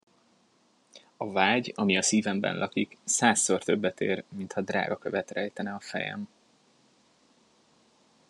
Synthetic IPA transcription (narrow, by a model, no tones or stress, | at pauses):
ɒvaːɟɒmiɒsiːvɛmbɛ̰nlʔɒkiksaːsːort̪ø̞bːɛt̪ḛːrmint̪hɒd̪ra̰ːɡɒkøvɛt̪rɛjt̪ɛnɛɒfɛ̰jɛ̰m